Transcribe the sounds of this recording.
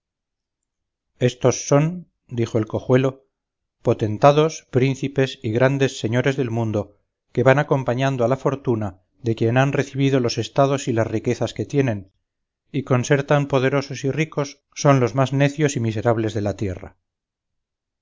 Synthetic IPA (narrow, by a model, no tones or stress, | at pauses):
e̞st̪o̞sːo̞n | d̪ixo̞e̞lko̞xwe̞lo̞ | po̞t̪e̞nt̪aðo̞spɾinθipe̞siɣɾand̪e̞sːe̞ɲoɾe̞zðe̞lmũnd̪o̞ | ke̞βanako̞mpaɲand̪oalafo̞ɾt̪una | ðe̞kje̞nanre̞θiβiðo̞lo̞se̞st̪aðo̞silazrike̞θaske̞t̪je̞nẽ̞n | iko̞nse̞ɾt̪ampo̞ðe̞ɾo̞so̞siriko̞sːo̞nlo̞zmazne̞θjo̞simise̞ɾaβle̞zðe̞lat̪je̞ra̰